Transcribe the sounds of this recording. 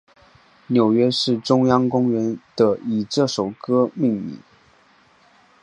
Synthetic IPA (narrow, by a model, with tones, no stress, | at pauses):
njo˨˩ʊɥɛ˥ʂɻ̩˥˩ʈ͡ʂʊ˥ŋjɑ˥ŋkʊ˥ŋɥɛ˧˥nd̪̥ə˧i˨˩ʈ͡ʂɤ˥˩ʂo˨˩ʊkɤ˥mi˥˧ŋmḭ˥˩˦